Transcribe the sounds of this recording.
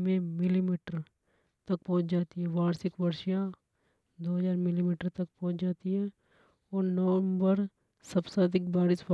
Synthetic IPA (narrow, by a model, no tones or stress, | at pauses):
mẽmɪlimiːʈəɾ | t̪ɐk̚pɔ̃ɦʊ̃t͡ʃd͡ʒaːt̪iɦɛʋaːɾsɪkʋɐɾʃja | d̪oːɦɐzaːɾmɪlimiːʈəɾt̪ɐk̚pɔ̃ːʊ̃t͡ʃd͡ʒaːt̪iɦɛ | ɔːɾnəʋəmbəɾ | sɐbsad̪ɪkbaːɾɪsb